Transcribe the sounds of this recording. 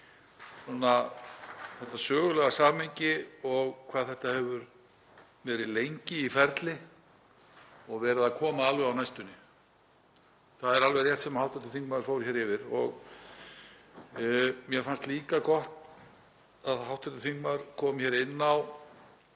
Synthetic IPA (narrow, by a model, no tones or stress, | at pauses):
sɔnːa | θɛht̪asœːɣʏlɛɣasaːmejɲcɪɔɣkʰvaːðθɛht̪ahɛvʏɾ | vɛːɾɪðlejɲcɪifɛɾt̪lɪ | ɔɣvɛːɾaðakʰɔːmaaːlvɛawnajst̪ʏnːɪ | θaðɛɾalvɛjrjɛht̪sɛmahawht̪ʰɛt̪ɪθiŋk̚maðʏɾfoːwɾ̥çɛɾɪvɪɾɔ̰ɣ | mjɛfanst̪liːkakɔht̪ | aðɦawht̪ʰɛt̪ʏθiŋkmaðʏɾ̥kʰɔːmçɛːɾɪnːaw